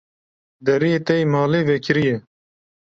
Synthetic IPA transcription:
d̪ɛɾijeːt̪ɛimɑːleːvɛkɪɾijɛ

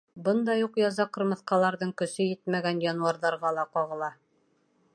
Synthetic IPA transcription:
bɤnd̪ɑjuqjɑzɑqɤ̆ɾmɤ̆θqɑlˠɑɾðɤɴkɵ̆sɵjɘt̪mæɡænjɑnuɑɾðɑɾʁɑlˠɑqɒʁɤ̆lˠɑ

